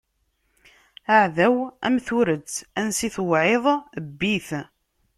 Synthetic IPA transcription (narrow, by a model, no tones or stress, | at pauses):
aʕðæwæ̰mθuɾət͡sːænsiθwʕeðˤəbːiθ